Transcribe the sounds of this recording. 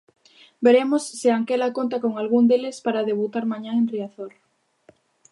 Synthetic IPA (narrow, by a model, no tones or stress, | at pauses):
beɾemosːɪaŋkɛlakont̪akoŋalɣuŋd̪elɪspaɾaðeβut̪aɾmaɲaŋenriaθoɾ